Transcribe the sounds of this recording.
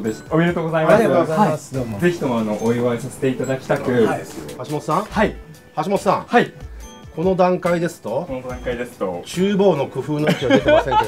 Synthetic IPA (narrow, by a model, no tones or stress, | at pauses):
d̪esomʲiɾe̞t̪oːɡozaimmaaɾiaozaaiasze̞çi̥t̪omoanoʔoiβasase̥t̪e̞it̪ad̪akʲi̥t̪akɯ̟ahaɕimot̪sãai | haɕimotɨ̥sãai | kʰo̞no̞d̪ãŋkaid̪e̞sɨ̥t̪o̞onod̪ãŋkaid̪e̞sɨ̥t̪ot͡ɕɨːbo̞ːno̞kɯ̟ɸɯ̟ːnokʲiaet̪emsẽe